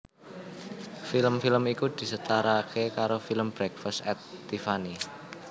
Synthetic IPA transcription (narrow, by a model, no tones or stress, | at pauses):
filəmfiləmikud̪̥i̤sət̪aɾakʰekaɾofiləmb̥ɾɛkfəsɛt̪ːifani